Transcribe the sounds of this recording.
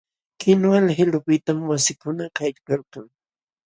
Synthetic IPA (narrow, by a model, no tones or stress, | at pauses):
kɪnwalhɪlʊpɪt̪amwasɪkʊnakajʎkalqɑŋ